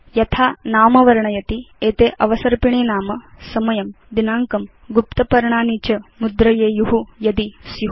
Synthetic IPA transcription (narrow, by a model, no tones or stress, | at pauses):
jɐt̪ʰaːnaːmɐʋɐɾɐɳɐjɐt̪ieːt̪eːʔɐʋɐsɐɾpiɳeːnaːmɐsɐmɐjɐm | d̪inaːŋkɐm | ɡupt̪ɐpɐɾɳaːniːt͡ʃɐmud̪ɾɐjeːjuɦujɐd̪isiɦu